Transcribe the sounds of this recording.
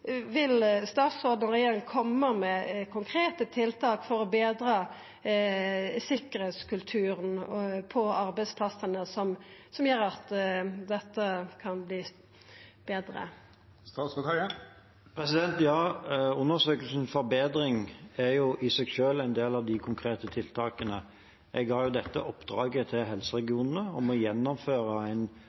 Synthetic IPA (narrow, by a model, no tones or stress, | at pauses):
ʋɪlst̪ɑːt̪soːd̪nəʁɪjɛnkʰɔmːəmɛkʰʊŋkʰɾeːt̪ət̪ʰɪlt̪ʰɑːkfɔɾɔbeːd̪ɾɑː | sɪkəɾheːt̪skʉlt̪ʰʉːɾənpʰɔɑɾbɛɪspʰlɑsənəsɔmsɔmjøːɾɑt̪d̪ɛt̪ːəkʰɑnbliː | b̥eːd̪ɾə̰ | ɑsɑ | pʰɾɛsɪd̪ɛnt̪jɑːʉnːəsøːkəlsn̩fɔɾbeːd̪ɾɪŋæɾjʊʔɪsɛɡʃøːlæɪnd̪eːlɑʋd̪ɪkʰʊŋkʰʁeːt̪ət̪ʰɪlt̪ʰɑːkənə | ʔɛɡɑjʊd̪ɛt̪ːə̰ʔɔpːd̪̥ɾɑːɡət̪ʰɪlɦɛlsəʁɛɡɪuːnən̩əɔmɔjɛnːɔmføːʁəæɪn